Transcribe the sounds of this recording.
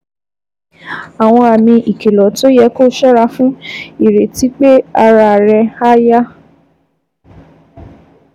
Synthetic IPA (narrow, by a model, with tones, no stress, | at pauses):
a˨w̃ɔ̃˧a˨mĩ˧ʔi˨ke˨lɔ˨to˦jɛ˨˦ko˦ʃɔ˦ɾa˧fũ˦i˨ɾe˨ti˨˦k͡pe˦a˧ɾa˧˨ɾɛ˧a˦ja˦